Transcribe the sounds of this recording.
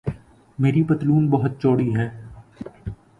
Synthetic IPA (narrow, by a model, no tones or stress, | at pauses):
meːɾipɐt̪luːnbɐɦʊt̪̚t͡ʃoːɽiɦɛː